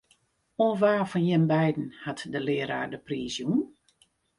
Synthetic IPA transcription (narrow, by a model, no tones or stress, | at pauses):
onʋaːfɔnjɛmbɛjdn̩hatdəlɪːəɾaːdəpriːsjun